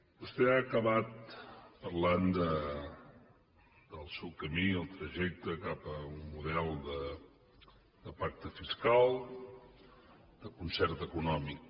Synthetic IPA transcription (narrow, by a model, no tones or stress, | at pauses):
bust̪ɛakəβat̪̚pərland̪ə | d̪əlˠsɛwkəmiəlˠt̪ɾəʒɛk̚t̪əkapəunmuðɛlˠd̪ə | d̪əpak̚t̪əfiskalˠ | d̪̥əkunsɛrt̪əkunɔmik̚